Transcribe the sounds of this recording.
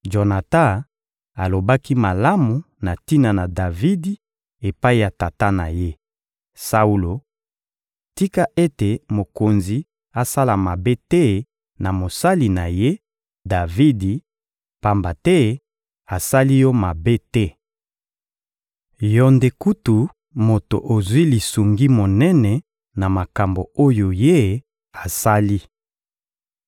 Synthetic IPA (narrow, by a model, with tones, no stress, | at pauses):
d͡ʒo˨na˨tã˦ | a˨lo˨ba˦ki˦ma˨la˦mu˨ | na˨ti˦na˨na˨da˨vi˦di˨˦ | e˨pa˦i˦˨ja˨ta˨ta˦na̰˨je˦ | sa˦u˦lo˨ | ti˦ka˦ʔe˦te˨mo˨ko˨nzi˨ | a˨sa˦la˨ma˨be˦tɛ˦ | na˨mo˨sa˦li˨na˨je˦ | da˨vi˦di˨ | pa˨mba˨tɛ˦ | a˨sa˦li˦jɔ˦ma˨be˦tɛ˦ | jɔ˨nde˨ku˦tu˨ | mo˨to̰˨ʔo˨zwi˦li˨su˨ŋɡi˦mo˨nɛ˦nɛ˨ | na˨ma˨ka˨mbo˨o˦jo˨je˦ | a˨sa˦li˦